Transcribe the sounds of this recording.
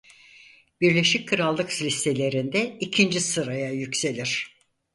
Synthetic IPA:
b̥iɾlʲe̞ʃic̚kʰɯɾalˠːɯkslʲist̪ʰe̞lʲe̞ɾind̪ɛicʰind͡ʒisɯɾajajycse̞lʲiɾ̥

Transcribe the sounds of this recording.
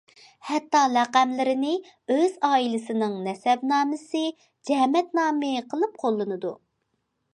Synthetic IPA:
hɛt̪ːɑlɛqæmlɪɾɪnɪ | øzɑːilˠɪsɪnɨŋnɛsɛbnɑːmɨsɨ | d͡ʒɛmɛt̪nɑːmɨqʰəlˠɨp̚qʰolˠːɨnɨd̪u

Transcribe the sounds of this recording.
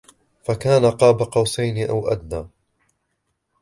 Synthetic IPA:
fakaːnaqɑːbaqɑwsajnɪʔawʔa̰d̪naː

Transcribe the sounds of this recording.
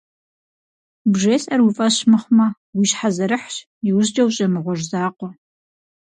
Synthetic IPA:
bʒeːsʼɐrwifʼɐɕmɨχʷmɐ | wiːɕħazɐɾɨħɕ | jɪwʑd͡ʒɐwɕʼɐmɨʁʷɔʐzaːqʷɔ

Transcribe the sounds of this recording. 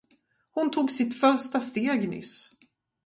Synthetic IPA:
hʊnt̪ʰuːɡsɪt̪fœɾʂtast̪eːɡnʏ̰s

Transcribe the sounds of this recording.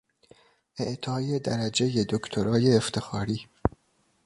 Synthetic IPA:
ʔeʔt̪ʰɒːjed̪æɾæd͡ʒe̞jed̪okt̪ʰoɾɒːjeːft̪ʰe̞xɒːɾiː

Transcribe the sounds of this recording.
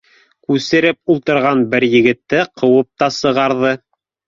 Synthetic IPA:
kʉsɘ̆ɾɘp̚ulˠt̪ɤ̆ɾʁɑnbɘɾjɘ̆ɡɘ̆t̪ːɘqʰɤ̆wɤp̚t̪ɑsɤ̆ʁɑɾðɤ

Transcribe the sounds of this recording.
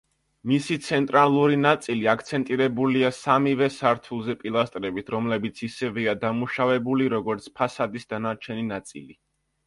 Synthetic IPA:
misit̪sʰɛnt̪ʼɾalˠuɾinat̪sʼiliakʰt̪sʰɛnt̪ʼiɾɛbuliasamivɛsaɾt̪ʰulˠzɛpʼilˠast̪ʼɾɛbit̪ʰɾɔmlɛbit̪sʰisɛviad̪amuʃavɛbuliɾɔɡɔɾt̪sʰpʰasad̪isd̪anaɾt͡ʃʰɛninat̪sʼḭli

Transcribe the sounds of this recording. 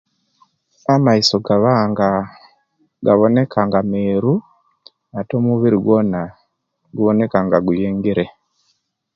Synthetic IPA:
amaiso̞ɡaβaːŋɡa | ɡaβo̞ne̞kʰaŋɡameːɾu | ato̞ːmuβiɾiɡwo̞na | ɡuβo̞ne̞kaŋɡaɡujeːŋɡiɾe

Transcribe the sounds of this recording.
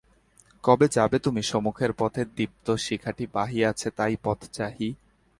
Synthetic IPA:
kɔbed͡ʑabet̪umiʃɔmukʰeɾpɔt̪ʰed̪ip̚t̪oʃikʰaʈibaɦiat͡ɕʰet̪ajpɔt̪ʰt͡ɕaɦi

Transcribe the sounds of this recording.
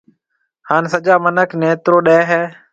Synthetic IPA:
haːnsəd͡ʒaːmənəkʰneːt̪ɾoːɗɛːɦɛː

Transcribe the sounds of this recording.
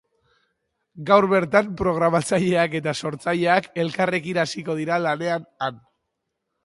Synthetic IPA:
ɡawɾβe̞ɾt̪ampɾo̞ɣ̞ɾamat͡saʎe̞ake̞t̪aso̞ɾt͡saʎe̞ake̞lkare̞kinasiko̞ðiɾalane̞anan

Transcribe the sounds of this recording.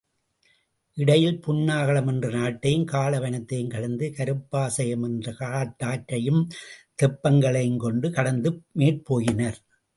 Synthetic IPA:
ʔɪɽɐjɪlpʊnːaːɣɐɭɐmɛndrɐnaːʈːɐjɯmkaːɭɐʋɐnɐt̪ːɐjɯmkɐɽɐnd̪ɯkɐɾɯpːaːsɐjɐmɛndrɐkaːʈːaːʈːɐjɯmt̪ɛpːɐŋɡɐɭɐɪnkɔɳɖɯkɐɽɐnd̪ɯmeːʈ̚poːjɪnɐɾ

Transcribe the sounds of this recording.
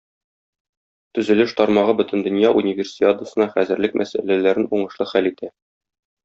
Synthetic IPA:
t̪ɵ̆zɘ̆lɘʃt̪ɒɾmɑʁɤbɵ̆t̪ɘ̆nd̪ɵ̆njɑʔunʲɪvʲersʲiad̪ŭsɤ̆nɑχæzɘ̆ɾlɘk̚mʔæsæ̰lælæɾɘnuɴɤ̆ʃlˠɤχælit̪ʰæ

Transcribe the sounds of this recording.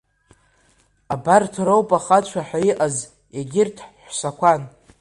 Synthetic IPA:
abartʰɾowpʼaχat͡ʃʷʰaħaiʔaz | eɡʲɪrtʰħħʷsakʷʰan

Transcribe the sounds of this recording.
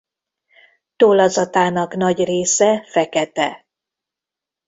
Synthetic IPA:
t̪oːlɒzɒt̪aːnɒknɒɟreːsɛfɛkɛt̪ɛ̰

